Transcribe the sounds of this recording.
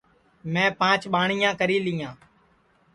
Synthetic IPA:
mɛ̃ːpãːt͡ʃɓaːɳ̤ijãːkəɾiːliːãː

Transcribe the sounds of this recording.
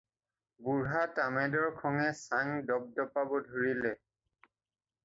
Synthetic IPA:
buɹɦatamɛdɔɹkʰɔŋɛsaŋdɔb̚dɔpabɔdʱuɹilɛ

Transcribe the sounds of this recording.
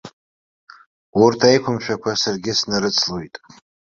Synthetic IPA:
urtʰajkʷʰʊmʃᶣakʷʰasarɡʲɪsnɨɾɨt͡sʰlojtʼ

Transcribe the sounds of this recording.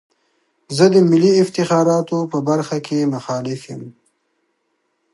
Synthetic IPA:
zəd̪əmɪliɪft̪ɪxɑːɾɑːt̪opəbaɾxakʰemʊxɑːlɪfjɪm

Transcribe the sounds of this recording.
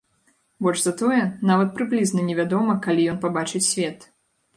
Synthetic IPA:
bɔlʐzat̪ɔjɛnavɐt̪̚pɾɨblʲiznɐnʲɛvʲad̪ɔmɐkalʲijɔnpabat͡ʂɨt͡sʲsʲvʲɛt̪

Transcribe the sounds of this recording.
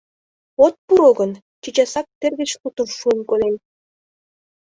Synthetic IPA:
ot̪̚puɾoɡɤ̆n | t͡ɕit͡ɕɑsɑk̚t̪ĕrɡɘ̆t͡ɕlut̪ə̆nʃunkolʲenʲ

